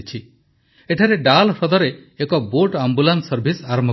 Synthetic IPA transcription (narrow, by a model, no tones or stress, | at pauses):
t͡ʃʰi | eʈʰaɾeɖalsɔd̪ɔɾeːkɔboʈambulansɔɾbʱisaɾɔmbʱ